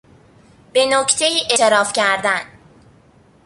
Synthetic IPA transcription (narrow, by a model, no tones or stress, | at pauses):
b̥e̞noct̪ʰe̞jiːʔeeɾɒːfcʰæɾd̪æn